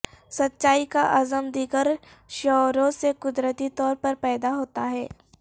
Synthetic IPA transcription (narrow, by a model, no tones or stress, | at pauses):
sɐtːʃaːikaʔazəmd̪iːɡəɾ | ʃɔːɾõsekʊd̪ɾət̪it̪ɔːɾpɐɾpɛːd̪aɦoːt̪aɦɛː